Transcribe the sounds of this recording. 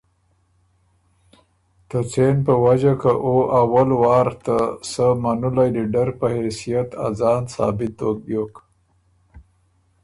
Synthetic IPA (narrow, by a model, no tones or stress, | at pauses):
t̪ət͡senpəwad͡ʒakaʔoʔawalwɑːɾt̪asəmanulajd̪iɖaɾpəhesijat̪a̰zɑːnsɑ̰ːbɪt̪̚ːok̚bjok